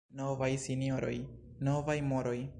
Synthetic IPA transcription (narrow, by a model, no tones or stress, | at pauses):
novajsinio̞ɾo̞̰j | no̞vajmoɾo̞j